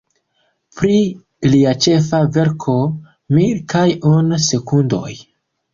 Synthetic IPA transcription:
pɾi | liat͡ʃe̞fave̞ɾkʰo̞ | miɾkajonse̞kundo̞̰j

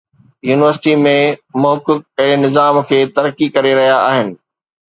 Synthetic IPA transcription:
juːnɪʋəɾsɪʈimẽmʊɦʊkːʊk̚ɐɦɪɽenɪzaːmkʰeːt̪ɐɾkikɐɾeɾɐɦijaaːɦɪnɪ̆

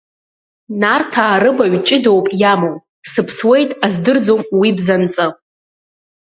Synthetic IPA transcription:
nartʰaːɾɨbaɥt͡ʃʼɪdo̞wpʼjamow | sɨpʰswe̞jtʼazdɨrd͡zomwibzant͡sʼɨ

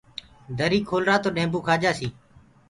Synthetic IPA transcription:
d̪ʱəɾiːkʰoːlɾaːt̪oːɗẽːmbũːkʰaːd͡ʒaːsiː

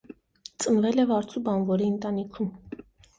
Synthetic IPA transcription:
t͡sʼənvɛlɛvɑɾt͡sʰubɑnvɔɾiənt̪ɑnikʰum

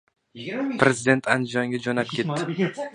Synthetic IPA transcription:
pɾe̞zɪd̪e̞nt̪ʰand̪ɪjɒŋɡʲad͡ʒonap̚kʰʲe̞t̪ːɪɪ

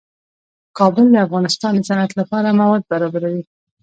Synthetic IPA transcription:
kɑbəld̪əafɣɑnɪst̪ɑnd̪əsanat̪lapɑɾamawɑd̪̚baɾɑbaɾawi

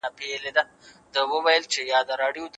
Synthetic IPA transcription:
apeeled̪a | d̪əwəwajəlt͡ʃejɑd̪əɾɑɖijod̪

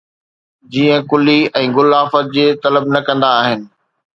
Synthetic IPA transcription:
d͡ʑiːə̃kʊliɛ̃ːɣʊlaːfət̪̚d͡ʑeːt̪ɐləbnɐkɐ̃nd̪aːɦɪnɪ̆

